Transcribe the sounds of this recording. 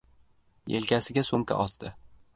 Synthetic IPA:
jḛlkʲʰasɪɡʲasomkʲa̰ʔɒsd̪ɪ

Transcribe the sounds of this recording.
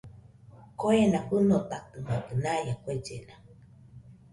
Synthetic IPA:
koenaɸɨnot̪akɨmak̪ɨnajakoed͡ʒḛna

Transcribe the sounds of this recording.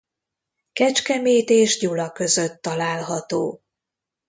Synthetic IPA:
kɛt͡ʃkɛmeːt̪eːʒɟulɒkø̞zøt̪ːɒlaːlɦɒt̪oː

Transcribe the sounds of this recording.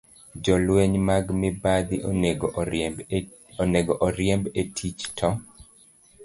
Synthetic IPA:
d͡ʒɔlweɲmaɡmɪbad̪iɡ | neɡɔʔɔɾjɛmbetʰit͡ʃtʰɔ

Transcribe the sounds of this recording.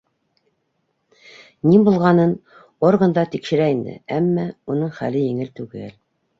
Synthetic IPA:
nimbulˠʁɑnɤn | orɡənd̪ɑt̪ikʃɘ̆ɾæind̪ɘ̰æmːæunɤɴχæ̰lɘjɘ̆ŋɘlt̪ʉɡæl

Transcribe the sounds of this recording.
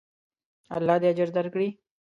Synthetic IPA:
a̰lːɑːd̪ead͡ʒəɾd̪aɾkɽi

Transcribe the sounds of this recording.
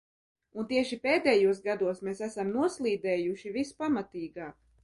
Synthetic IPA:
unt̪iɛʃipeːd̪ɛjuɔs̬ɡad̪uɔsmeːsæsamnuɔslˠiːd̪ɛːjuʃivispamat̪iːɡaːk

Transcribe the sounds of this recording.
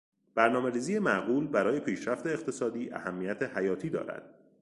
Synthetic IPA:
b̥æɾnɒːme̞ɾiːziːje̞mæʔɢuːlbæɾɒːje̞pʰiːʃɾæft̪eːqt̪ʰe̞sɒːd̪iːʔæ̰hæmːijæt̪ʰehæjɒːt̪ʰiːd̪ɒ̰ːɾæ̰d̪̥

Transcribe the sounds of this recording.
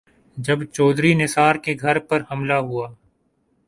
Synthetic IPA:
d͡ʒɐbt͡ʃɔːd̪ɾinɪsaːɾkeɡʱɐɾpɐɾhɐmlaɦuaː

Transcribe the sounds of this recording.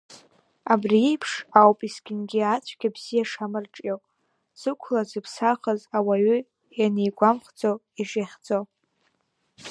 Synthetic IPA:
abriipʰʂawpʼisɡʲɪnɡʲiat͡ɕʷʰɡʲabz̥ijaʂamɨrʈ͡ʂʼjowʼ | sɨkʷʰlazɨpʰsaχəzawaɥy | janejɡʷamχd͡zow | iʒeχʲd͡zow

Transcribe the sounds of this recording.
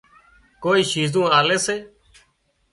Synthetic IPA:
koːiːʃiːzũːaːleːseː

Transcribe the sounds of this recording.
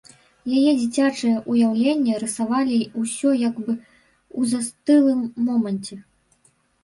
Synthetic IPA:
jajɛd͡zʲit͡sʲat͡ʂɨjɐʔujawlʲenʲːɐɾɨsavalʲiusʲɔjaɡbɨ | uzast̪ɨlˠɨmːɔmɐnʲt͡sʲɛ

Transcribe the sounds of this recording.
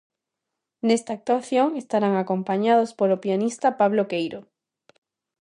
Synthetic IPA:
nest̪aːk̚t̪waθjoŋest̪aɾaŋakõmpaɲað̞ospoɾopianist̪apaβlokejɾo

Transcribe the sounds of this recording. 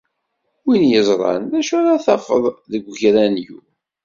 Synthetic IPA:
winjəzˤɾˤɑ̰nðæʃaɾaθɑfəðˤðəɡʷçɾænju

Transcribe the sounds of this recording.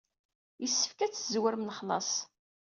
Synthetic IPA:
jəsːə̥fkæt͡sːzwəɾmnχlˤɑ̰sˤ

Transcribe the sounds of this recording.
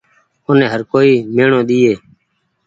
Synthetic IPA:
ʊːneːɦəɾkoːiːmeːɳõːɗ̪iːeː

